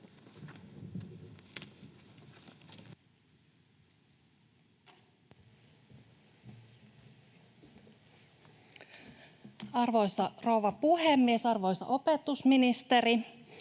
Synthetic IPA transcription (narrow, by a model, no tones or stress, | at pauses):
ɑrʋo̞jsɑro̞uwʋɑpuhemːiesɑrʋo̞jsɑ̰ʔopet̪usminist̪eɾi